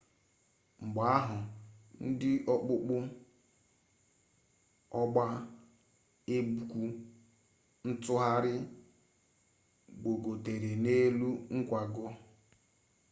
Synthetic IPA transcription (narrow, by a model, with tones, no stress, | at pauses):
ŋ͡m̩˨ɡ͡ba˨a˦ɦʊ˨n̩˦dɪ˦ʔɔ˦k͡pʊ˦k͡pʊ˦ | ɔ˦ɡ͡ba˦ | e˦bu˨kʷu˦ | n̩˦tʊ˦ɦa˦ɾɪ˦ | ɡ͡bo˨ɡo˨te˨ɾe˨ne˦lu˦ŋ̩˦kʷa˨ɡɔ˦